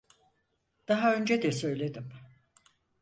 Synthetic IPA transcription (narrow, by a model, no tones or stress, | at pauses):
d̪̥aɦaø̞nd͡ʒɛd̪ɛsø̞jlʲe̞d̪im